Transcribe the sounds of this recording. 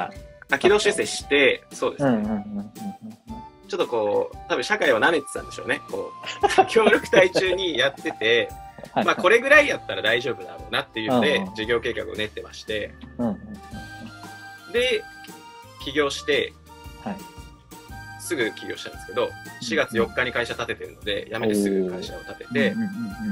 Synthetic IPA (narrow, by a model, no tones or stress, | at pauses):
akʲino̞ːɕɨse̞ɕi̥t̪e̞so̞ːd̪e̞ssɨne | t͡ɕo̞t̪ːo̞ko̞ːt̪abɯ̟̃ɕakaiβaname̞t̪ːã̰nd̪e̞ɕo̰ːne̞ko̞̰ːkʲʰo̞ːɾʲo̞kɯ̟̥t̪ait͡ɕɨːɲ̟ijat̪ːe̞t̪e̞maːko̞ɾe̞ɡɯ̟ɾaijat̪ːaɾad̪aiʑo̞ːbɯ̟na̰ɾo̞ːnat̪ːe̞jɯ̟nod̪e̞d͡ʑiɡʲo̞ːke̞ːka̰kɯ̟one̞t̪ːe̞ma̰ɕi̥t̪e̞ | d̪e̞ | kʲiɡʲo̞ːɕi̥t̪e̞ | h | sɨɡɯ̟kʲiɡʲo̞ːɕi̥t̪ãnsɨ̥ked̪oɕiɡat͡sɨjo̞kːaɲ̟ikaiɕat̪at̪e̞t̪e̞ɾɯ̟no̞d̪e̞̰jʔamet̪isɨɡɯ̟kaiɕa̰o̞t̪at̪e̞t̪e̞